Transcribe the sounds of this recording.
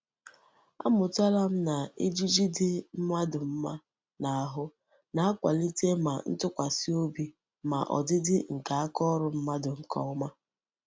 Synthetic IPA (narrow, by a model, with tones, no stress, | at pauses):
a̰˦mʊ˨ta˦la˦m̩˦na˨e˦d͡ʒi˦d͡ʒi˦dɪ˦m̩˦ma˦dʊ˨m̩˦ma˦ | na˨a˦ɦʊ˦ | na˨a˦kʷa̰˨li˦te˦ma˨n̩˦tʊ˦kʷa˨si˦o˦bi˦ | ma̰˨ʔɔ̰˨dɪ˦dɪ˦ŋ̩˨ka˨a˦kɔ˦ɾʊ˨m̩˦ma˦dʊ˨ŋ̩˨kʰɔ̰˦ma˦